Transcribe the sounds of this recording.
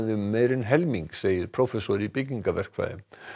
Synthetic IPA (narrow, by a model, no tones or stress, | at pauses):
ðʏːeːjɾɪnɦɛlmiŋkseːjɪɾ̥pʰɾowfɛsɔɾipɪcːiŋkavɛr̥kva̰ːðɪ̰m